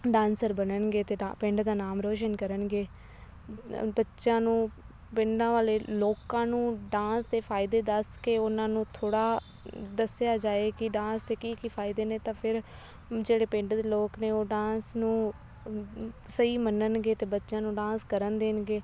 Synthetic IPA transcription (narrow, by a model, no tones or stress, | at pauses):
ɖãːnsəɾbənənɡeːt̪eːapɪ̃ɳɖd̪aːnaːmɾoːʃənkəɾənɡeː | bətːʃãːnũː | pɪɳɖãːʋaːleːloːkãːnũːɖãːst̪eːpʰaːɪd̪eːd̪əskeːʊnãːnũːt̪ʰoːɽaː | d̪əsɪjaːd͡ʒaːeːkɪɖãːst̪eːkiːkipʰaːɪd̪eːneːt̪ãːpʰɪɾ | d͡ʒeːɽeːpɪ̃ɳɖd̪eːloːkneːoːɖãːsnũː | səiːmənənɡeːt̪eːbətːʃãːnũːɖãːnskəɾənd̪eːnɡeː